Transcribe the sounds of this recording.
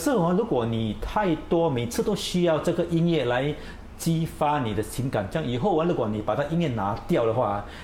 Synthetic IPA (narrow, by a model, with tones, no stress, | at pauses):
sɹ̩˥˩˨ŋa˥˧lu˨˥kwɔ˨˩ni˨˩t̪ʰa˥˧ɪt̪wɔ˥me˨˩t͡sʰɹ̩˥˧˩t̪o˥ʊɕy˥jɑ˥˧ʊʈ͡ʂɤ˥˨˩ɡə˩ʔi˥njɛ˥˩la˧˦ɪ | t͡ɕi˦˥fa˥ni˨˩d̪ə˦t͡ɕʰi˨˧˥ŋka˨˩˦nt͡ɕjŋi˨˩ɦo˥˩ʊa˧˦lu˧˥kwɔ˨˩ni˨˩pa˨˩t̪ʰa˥˧˩ʔi˥njɛ˥˨na˧˥t̪jɑ˥˨˩ʊɾə˩xwa˥˩